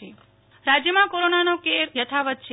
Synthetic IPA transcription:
i | ɾad͡ʒjəmãkoɾonanokeɾjət̪ʰaʋət̪̚t͡ʃʰe

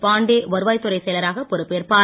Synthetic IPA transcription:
paːɳɖeːʋɐɾɯʋaːjt̪ːʊɾɐɪsɛjlɐɾaːɣɐpɔɾɯpːeːɾpaː

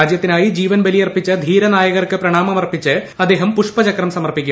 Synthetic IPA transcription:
aːd͡ʑjɐt̪ːinaːjid͡ʑiːʋɐnbɐlijɐrpit͡ɕːɨd̪ʱiːɾɐnaːjɐɣɐrkɨprɐɳaːmɐmɐrpit͡ɕːɨɐd̪e̞ːɦɐmpuʂpɐt͡ɕɐkrɐmsɐmɐrpikʲːu

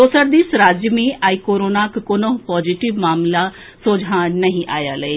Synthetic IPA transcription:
oːsəɾd̪iːsɾaːd͡ʒmiːaːikoːɾoːnaːkkoːnopɔːd͡ʒiʈɪʋmaːmla | soːd͡ʒʱãnəɦĩʔa̰ːja̰ːləeː

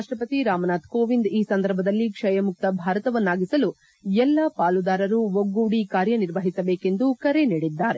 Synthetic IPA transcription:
aʂʈɾɐpɐt̪iɾaːmɐnaːt̪koːʋind̪iːsɐnd̪ʱɐɾbʱɐd̪ɐlːikʂɐjɐmuk̚t̪ɐbʱaːɾɐt̪ɐʋɐnːaːɡisɐlu | ɛlːɐpaːlud̪aːɾɐɾuʋoɡːuːɽikaːɾjɐniɾʋɐɦisɐbeːke̞nd̪ukɐɾe̞niːɽid̪ːaːɾe

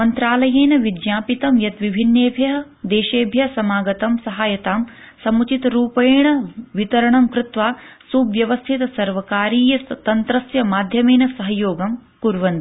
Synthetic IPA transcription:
mɐnt̪ɾaːlɐjeːnɐʋid̪jaːpit̪ɐmjɐt̪ʋibʱinːeːbʱjɐɦɐ̆ | d̪eːʃeːbʱjɐsɐmaːɡɐt̪ɐmsɐɦaːjɐt̪aːm | sɐmut͡ʃit̪ɾuːpɐjɳɐʋit̪ɐɾɐɳɐmkɾɪt̪ʋaːsubʋjɐʋɐst̪ʰit̪ɐsɐɾʋɐkaːɾiːjɐt̪ɐnt̪ɾɐsjɐmaːd̪ʱjɐmeːnɐsɐɦɐjoːɡɐmkuɾʋɐnt̪i

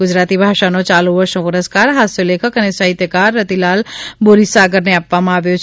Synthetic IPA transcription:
ɡʊd͡ʒɾaːt̪ibʱaːʃanot͡ʃaːloʋəɾʃõpʊɾəskaːɾɦaːsoleːkʰəkənesəɦɪt̪jəkaːɾːɐt̪ilaːlboɾisaːɡəɾneapʋamãaːʋjot͡ʃʰ

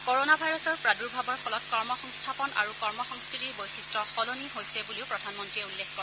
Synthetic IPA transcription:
koɹonabʱajɹɔsɔɹpɹaduɹbʱabɔɹfɔlɔt̚kɔɹmɔxɔŋstʰapɔna̰ɹukɔɹmɔxɔŋskɹitiɹbojxistɹɔxɔloniɦojsɛbuliʊpɹɔdʱanmɔntɹiɛulːekɔɹ

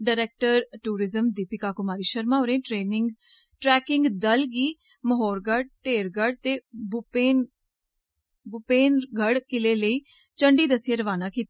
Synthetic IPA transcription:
ɖaːɾɛːk̚ʈəɾʈuːɾɪzəmd̪iːpɪkaːkʊmaːɾiːʃəɾmaːoɾẽːʈɾeːnɪŋɡ | ʈɾɛːkɪŋɡd̪əlɡiː | məɦoːɾɡəɽ̚ʈeːɾɡəɽt̪eːbpeːn | bʊpeːnɡʱəɽkɪleːləiː | t͡ʃəɳɖiːd̪əsjeːɾəʋaːnaːkiːt̪ː

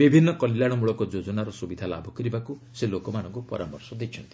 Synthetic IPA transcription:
bibʱinːɔkɔljaɽ̃ɔmuɭɔkɔd͡ʒod͡ʒɔnaɾɔsubid̪ʱala̰bʱɔkɔɾibakuselokɔmañɔŋkupɔ̰ɾamɔɾsɔd̪et͡ʃʰɔnt̪i̥

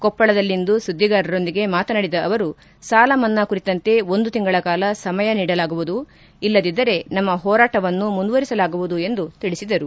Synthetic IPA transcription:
kɔpːɐɭɐd̪ɐlːind̪usud̪ʱːiɡaːɾɐɾo̞nd̪iɡe̞maːt̪ɐnɐɽid̪ɐʔːʋɐɾu | saːlɐmɐnːɐkuɾit̪ɐnt̪e̞o̞nd̪ut̪iŋɡɐɭɐkaːlɐsɐmɐjɐniːɽɐlaːɡuʋud̪u | ilːɐd̪id̪ːɐɾe̞nɐmːɐɦɔːɾaːʈɐʋɐnːumund̪uʋɐɾisɐlaːɡuʋud̪ue̞nd̪ut̪iɭisid̪ɐɾu

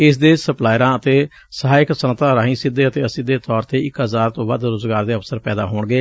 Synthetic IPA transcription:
ɪs̬d̪eːsəplaːjɾãːət̪eː | səɦaːɪksənt̪ãːɾãːɦĩːsɪd̪eːət̪eːəsĩːd̪eːt̪ɔːɾt̪eːɪkɦəzaːɾt̪õːba̰ːd̪ɾoːzɡaːɾd̪eːəfsəɾpɛːd̪a̰ːɦoːɳɡeː

